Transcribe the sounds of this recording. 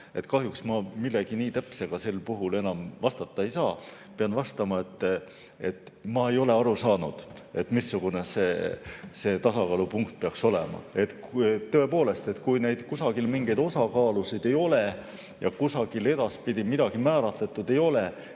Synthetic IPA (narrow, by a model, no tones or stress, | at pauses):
e̞t̪kɑɦjuksmɑmilːeɡ̥iniːt̪æpse̞ɡ̥ɑse̞lpuɦule̞nɑmvɑst̪ɑt̪ːˑɑe̞jsɑːpeɑnvɑst̪ɑmɑe̞t̪ːˑ | e̞t̪ːmɑe̞jo̞le̞ɑɾusɑːnud̪̥ | e̞t̪ːmisːuɡ̥une̞se̞ːse̞ːt̪ɑsɑkɑlupuŋkt̪̚peɑkso̞lḛmɑ̰e̞t̪t̪ːø̞e̞po̞ːle̞st̪e̞t̪kujne̞jd̪̥kusɑɡ̥ilmiŋɡ̥e̞jd̪o̞sɑkɑːlusid̪̥e̞jo̞le̞ | jɑkusɑɡ̥ile̞d̪̥ɑspid̪̥ʲimid̪̥ɑɡ̥imæːɾɑt̪let̪ːˑud̪̥e̞jo̞le